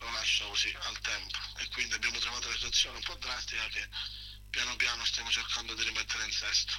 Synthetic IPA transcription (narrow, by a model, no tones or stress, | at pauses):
lolaʃːakosialt̪ɛmpo̥ekːwind̪iabːjaːmot̪ɾovaːt̪ʊnasit̪wat̪sːjɔːneumpɔd̪ːɾast̪ikak̟e | pːjanopjaːnʊst̪jaːmot͡ʃerkand̪od̪iɾimɛt̪ːeɾeinsɛst̪ʊ̥